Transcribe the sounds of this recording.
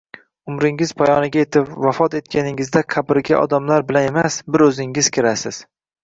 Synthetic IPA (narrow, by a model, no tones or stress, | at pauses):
ʊmɾɪŋɪz̥pʰajɒnɪɡʲaje̞t̪ʰɪpvafɒt̪e̞t̪̚kʲʰanɪŋɪzd̪aqʰɑbɪɾɡʲa̰ʔɒ̰d̪amlaɾbɪlane̞masbɪɾɵzɪŋɪz̥kʲʰɪɾasɪz̥